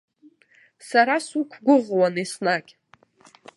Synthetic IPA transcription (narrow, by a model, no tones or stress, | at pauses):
saɾasukʷʰɡʷʊʁwanisnakʲʼ